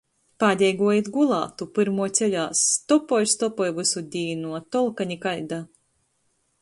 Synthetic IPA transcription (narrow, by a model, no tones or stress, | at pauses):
paːdʲɛjɡuɔjit̪ɡulˠɑ̰ːt̪upɨɾmuɔt̪sʲɛlʲaːsːt̪ɔpɔjst̪ɔpɔjvɨsud̪ʲiːnuɔt̪ɔlˠkaɲikajd̪a